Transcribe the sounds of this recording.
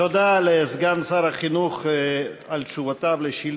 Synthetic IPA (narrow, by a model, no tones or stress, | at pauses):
od̪alezɡansaɾhaχinuχ | alʃuvat̪ableʃil